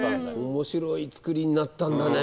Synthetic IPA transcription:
omo̞ɕiɾo̞it͡sɨ̥kɯ̟ɾʲiɲ̟inat̪ːãnd̪ane

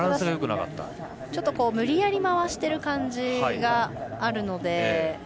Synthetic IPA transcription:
ɾãsɨɡajo̞kɯ̟naka̰t̪ːa̰ | t͡ɕo̞t̪ːoko̞ːmɯ̟ɾʲijaɾʲimaβaɕi̥t̪e̞ɾɯ̟kãɲd͡ʑiɡaːɾɯ̟no̞d̪e̞

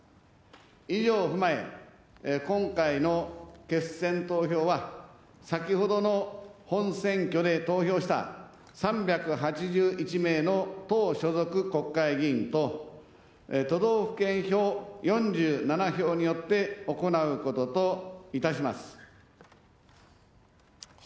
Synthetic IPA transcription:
iʑo̞ːɸɯ̟mae̞̰ | kõ̞ŋkaino̞ke̞sẽ̞nt̪o̞ːço̞ːβa | sakʲiho̞d̪o̞no̞hõ̞ɰ̃sẽ̞ŋkʲo̞d̪e̞t̪o̞ːço̞ːɕi̥t̪a̰ | sãmbʲjakɯ̟ɦat͡ɕiʑɨːʔit͡ɕime̞ːno̞t̪oːɕo̞zo̞kɯ̟ko̞kːaiɡʲĩnt̪o̞ | et̪o̞d̪o̞ːɸɯ̥kẽ̞ɰ̃ço̞ːjõ̞ɲ̟d͡ʑɨːnanaço̞ːɲ̟ijo̞t̪ːe̞o̞ko̞naɯ̟ko̞t̪o̞t̪o̞it̪aɕ̬imasɨ̥

